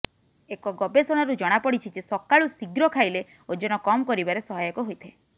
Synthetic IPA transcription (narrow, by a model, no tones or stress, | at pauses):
ekɔɡɔbesɔɽ̃aɾud͡ʒɔɽ̃apɔɽit͡ʃʰid͡ʒesɔkaɭusiɡɾɔkʰajle | od͡ʒɔɽ̃ɔkɔmkɔɾibaɾesɔɦajɔkɔɦojt̪ʰe